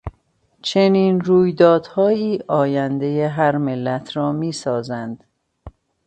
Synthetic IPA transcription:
t͡ʃʰe̞niːnɾuːjd̪ɒːd̪̥hɒːjiːʔɒːjænd̪e̞jeɦæɾmelːæt̪ʰɾɒːmiːsɒːzænd̪̥

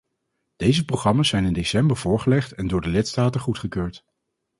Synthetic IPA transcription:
d̥ejzəprowχrɑmaːszɛjnɪndesɛmbəɹv̥ʊːɹχəlɛχtɛndʊːɹdəlɪtstaːtəχutχəkøːɹt

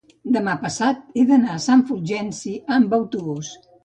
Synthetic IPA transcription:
d̪əmapəsat̪̚eðənasaɱfuɾʒɛnsiəmbəwt̪uβus

